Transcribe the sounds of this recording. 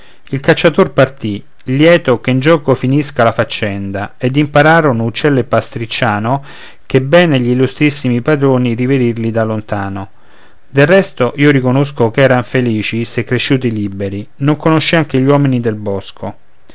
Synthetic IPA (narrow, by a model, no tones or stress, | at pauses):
ilkat͡ʃːat̪orpart̪i | ljɛːt̪okeind͡ʒɔːkofiniskalafat͡ʃːɛnd̪aed̪impaɾaːɾonout͡ʃːɛlːepːast̪ɾit͡ʃːaːno | kebɛːneʎiːlːust̪ɾisːimipad̪ɾoːniɾived̪irlid̪alːont̪aːno | d̪elrɛst̪oʔiːoɾikonos̬kokɛːɾaɱfeliːt͡ʃisekːɾeʃːuːt̪ilibeɾinoŋkonoʃːiaŋk̟eʎwɔːminid̪elbɔskʰo